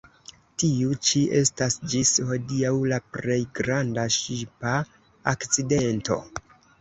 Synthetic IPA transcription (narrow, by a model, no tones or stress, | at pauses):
tiut͡ʃiʔe̞stasd͡ʒisho̞diawlapɾe̞jɡɾandaʃipa | akt͡side̞nto̞̰